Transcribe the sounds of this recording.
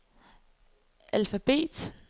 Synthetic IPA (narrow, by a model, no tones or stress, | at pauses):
ʔælfæb̥e̝̰ːd̥